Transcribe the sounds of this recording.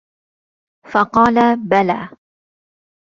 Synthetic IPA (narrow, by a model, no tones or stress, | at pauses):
fɑqɑːlabalaː